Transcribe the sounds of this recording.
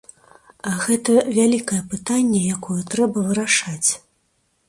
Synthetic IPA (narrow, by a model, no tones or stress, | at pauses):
ɐɣɛt̪ɐvʲalʲikɐjɛpɨt̪anʲːɛjakɔjɛt̪ɾɛbɐvɨɾaʂat͡sʲ